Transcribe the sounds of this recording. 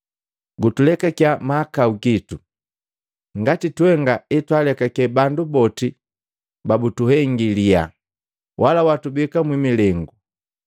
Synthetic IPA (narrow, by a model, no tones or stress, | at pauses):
ɡutulɛkakjamakauɡitu | ŋɡatitwɛŋɡaitwalɛkakɛbandubɔti | babutuhɛŋɡilia̰ | wʔalawatubikamwimilɛŋɡu